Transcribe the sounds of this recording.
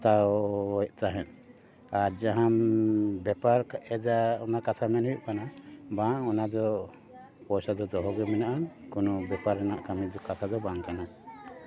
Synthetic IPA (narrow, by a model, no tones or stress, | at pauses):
t̪awjct̪aɦɛn | aɾd͡ʒaɦambɛpaɾɛd͡ʒaɔnakat̪ʰamɛnɦujuʔkanabaŋɔnad̪ɔ | pɔjsad̪ɔd̪ɔɦɔɡɛmɛnaʔankunɔbɛpaɾɛnaʔkamidkat̪ʰad̪ɔbaŋkana